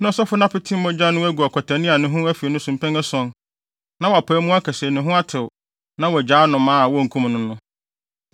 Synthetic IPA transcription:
nʊ̃˦ɔ˨sɔ˦fʊ˦nã˦pɪ˦tʰĩ˦mɔ̃˦d͡ʑa˦nʊ̃˦æ˦ɡu˨a˨kʰɔ˨tʰæ˨nɪ̃˦a˨nʊ̃˨ɦʊ̃˦æ˦fi˨e˨nʊ̃˦sũ˨m̩˨pʰɛ̃˦ŋɛ˦sɔ̃˦n | nã˦wɔ˨a˨pʰaː˨˦mũ˦a˦kʰɛ˨snʊ̃˨ɦʊ̃˦a˦tʰɪ˨w | nã˦wɔ˨d͡ʑaː˨˦nʊ̃˨mãː˦a˨wɔ˦ŋ̩˨kʰũ˦mnʊ̃˦nʊ̃˦

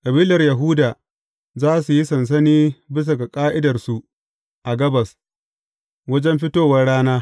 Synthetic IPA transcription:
kʼɐ˨biː˦lɐ˨rjɐ˨ɦu˦daː˨ | zaː˦su˨ji˦sɐ˨ns̬ɐ˦niː˦bɪ˦s̬ɐ˨ɡa˨kʼaː˦ʔɪ˦dɐ˨rsu˨ | ʔa˨ɡɐ˦bɐ˨s | wɐ˦d͡ʒɛ˦mɸɪ˦toː˦wɐ˦rɽaː˦naː˦

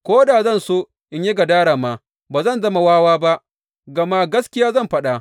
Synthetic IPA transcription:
kʷoː˦daː˨zɐ˦˨nsoː˦ | ʔɪ˨˦ɲje˦ɡɐ˨daː˦ɽaː˨ma˨ | baː˨zɐ˦˨nzɐ˦ma˨waː˦waː˦ba˦ʔ | ɡɐ˨ma˦ɡɐ˦skʲɪ˦jaː˦zɐ˦˨mɸɐ˦ɗa˨ʔ

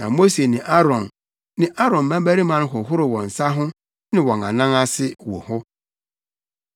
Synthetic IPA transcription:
nã̰˨mo˦se˨nɪ̃˨ʔa˦ɾɔ̃˨n | nɪ̃˦ʔa˦ɾɔ̃˨nmã˦bæ˦ɾi˦mã˨˦n˦ɦʊ˨ɦʊ˦ɾʊ˨wɔ̃˨n̩˨sa˦ɦʊ̃˦ | nɪ̃˦wɔ̃˨na̰˨nã˦ŋa˦sɪ˦wɔ̰˨hʊ˦

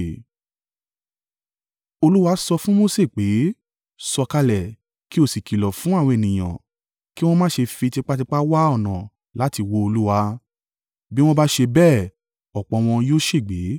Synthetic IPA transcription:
o˧lu˦wa˧˦sɔ˧fũ˦mo˦se˦˨k͡pe˨˦ | sɔ˧ka˧lɛ˨ | ki˦o˦˨si˨ki˨lɔ˨fũ˨˦a˦˨wɔ̃˧e˨nĩ˨j̃ã̰˨ | ki˦w̃ɔ̃˦mãː˦ʃe˧fi˧ti˧k͡pa˦t̬i˧k͡pa˦wa˦ɔ˦˨nã˨ | la˨˦ti˧wo˧o˧lu˦wa˧ | bi˦w̃ɔ̃˦ba˦ʃe˧bɛː˦˨ | ɔ˨k͡pɔ̃˨˧w̃ɔ̃˧joː˦ʃe˦˨ɡ͡be˨˦

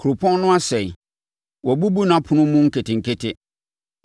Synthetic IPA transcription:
kʰu˨ɾʊ˨pʰɔ̃˦n˦nʊ̃˦a˦sɛ˨i˨ | wɔ˨bu˦bu˦nã˨˦pʰʊ̃˨nʊ̃˦mʊ̃˦ŋ̩˦kʰe˨tʰɪ˨ŋ̩˨kʰe˦tʰɪ˦

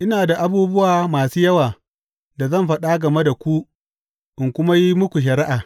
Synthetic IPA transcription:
ʔɪ˦naː˨da˨ʔa˦buː˦bʊ˦waː˨maː˨suː˦jɐ˦waː˨ | da˨zɐ˦˨mɸɐ˦ɗa˦ɡɐ˨me˦da˨kʷu˦ | ʔɪ˨ŋkʷʊ˦ma˦ji˦mʊ˦kʷu˨ʃ̬ɐ˨ɾɪ˦ʔaː˨

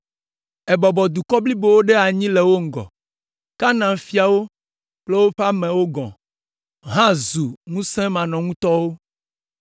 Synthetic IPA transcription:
ɛ˨bɔ˨bɔ˨d̪u˨kɔ˦bli˦bo˨wo˦ɖe˦a˨ɲĩ˦le˨wo˦ŋ̩˨ɡɔ̰˨ | ka˦nã˨fi˦a˨wo˦ | k͡ple˦wo˦ɸa˦mɛ̃˨wo˦ɡɔ̰̃˨ | ɦã˦zu˨ŋũ˦sɛ̃˦mã˨nɔ̃˨ŋũ˦t̪ɔ˦wo˦

